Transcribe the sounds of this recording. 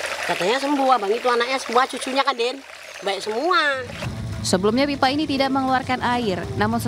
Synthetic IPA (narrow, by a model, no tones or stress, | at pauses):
kat̪aɲas̬əmbuabaŋit̪uanak̚ɲasəmuaht͡ʃut͡ʃuɲakadɛn | baɛʔ̚səmua | səbəlumɲapipainit̪idaʔ̚məŋluarkanaɪrnamʊns